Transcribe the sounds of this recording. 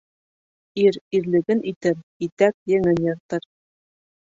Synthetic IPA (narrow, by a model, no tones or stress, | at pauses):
iɾiɾlɘ̆ɡɘnʔit̪ɘɾit̪æk̚jɘ̆ŋɘnjɤ̆ɾt̪ɤɾ